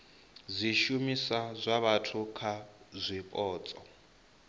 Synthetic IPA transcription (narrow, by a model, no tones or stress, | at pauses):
zʷiʃumisazʷaβatʰukʰazʷipʼɔːt͡sʼɔ